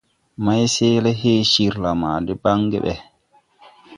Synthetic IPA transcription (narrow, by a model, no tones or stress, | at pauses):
majsɛːlɛɦeːʃiɾlamaːdɛbaŋːɡɛ̰ɓɛ